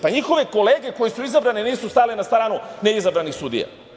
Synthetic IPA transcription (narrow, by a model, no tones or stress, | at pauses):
paɲixo̞ʋe̞ko̞leːɡe̞ko̞jesuizabɾaneniːsust̪aːlenast̪ɾaːnune̞izabɾanixsud̪ḭja̰